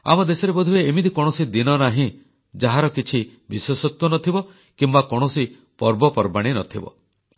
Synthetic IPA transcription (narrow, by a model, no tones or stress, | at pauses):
a̰mɔd̪esɔɾebɔd̪ʱibeemid̪ikɔɽ̃ɔsid̪inɔnaɦĩ | d͡ʒaɦaɾɔkit͡ʃʰi | biswɔsɔt̪wɔnɔt̪ʰibɔ | kimbakɔɽ̃ɔsi | pɔɾbɔpɔɾbaɽ̃inɔt̪ʰibɔ̰